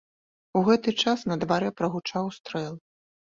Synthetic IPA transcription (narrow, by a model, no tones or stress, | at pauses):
uɣɛt̪ɨt͡ʂasnɐd̪vaɾɛpɾɐɣut͡ʂawst̪ɾɛlˠ